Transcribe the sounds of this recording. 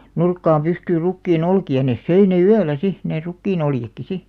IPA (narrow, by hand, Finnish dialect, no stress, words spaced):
nurkːɑːm pystyːr rukːiːn olkiɑ nes søi ne yælˑæ si neˑ rukːiːn oljekːi si